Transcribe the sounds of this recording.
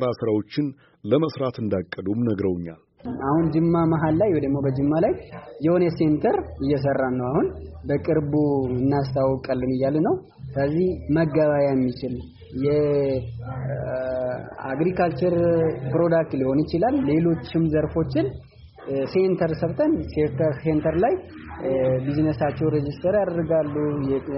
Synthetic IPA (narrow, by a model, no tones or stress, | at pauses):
ɨɾasɨɾawo̞t͡ʃːɪn | ləməsɾat̪ɨnd̪akʼːəd̪umnəɡɾəwɲːa̰l | ʔahund͡ʒɨmːamaɦalːajwɔjd̪əɡmo̞bəd͡ʒɨmːalajjɛho̞njɛse̞nt̪ʰəɾɨjːɛs̬ərːanːəwahunbəkʼɨɾbuɨnːast̪awkʼəlːɨnɨjːalnəw | sɨləzːihməɡːaβajajɛmːit͡ʃɪl | jɛ | a̰ɡɾikʰalt͡ʃəɾpɾo̞d̪ak̚t̪liho̞njɪt͡ʃɪlalːe̞lo̞t͡ʃːɪmzəɾfo̞t͡ʃːɪn | se̞nt̪ʰəɾsəβt̪ʰənseɾt̪ʰəɾse̞nt̪ʰəɾlaj | biznəsat͡ʃːɛwɾed͡ʒist̪ʰəɾjad̪əɾɡalːujɛ